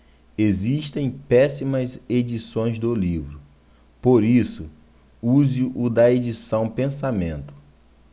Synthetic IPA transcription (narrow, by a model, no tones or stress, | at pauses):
eziʃt̪ẽj̃pɛsimɐzed͡ʒisõj̃zd̪ʊlivɾʊ | poɾisʊ | uzɪʔʊd̪ɐed͡ʒisɐ̃w̃pẽsamẽnt̪ʊ̥